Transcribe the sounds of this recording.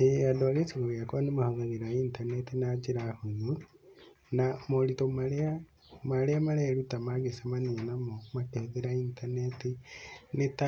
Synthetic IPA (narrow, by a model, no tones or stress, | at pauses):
eadolesiɡoɣjakonimahaŋaðiɾaintanetinad͡ʒiɾahuɲu | namolitomalea | maleamaleɾutamaɡesamaninamomateðiɾaintanetinita